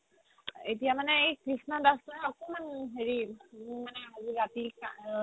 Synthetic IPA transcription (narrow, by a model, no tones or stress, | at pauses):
etijamanɛejkɹisnadastɔakomanɦeɹimanɛɦaziatika